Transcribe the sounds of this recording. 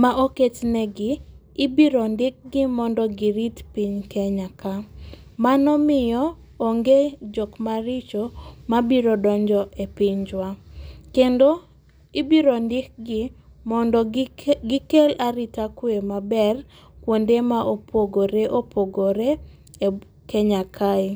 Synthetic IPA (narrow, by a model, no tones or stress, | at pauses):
maʔoket͡ʃnɛɡɪː | biɾɔndɪk̚ɡɪmɔndɔɡiɾitpiɲkɛɲaka | manɔmɪjɔː | ŋɡed͡ʒokmaɾɪt͡ʃomabiɾodɔɲd͡ʒɔʔepiɲd͡ʒwakendo | ibiɾondɪk̚ɡɪmɔndɔɡɪkelaɾitakwemabɛr | kwondemaʔopʰoɡoɾeʔopʰoɡoɾe | kɛɲakʰaɪ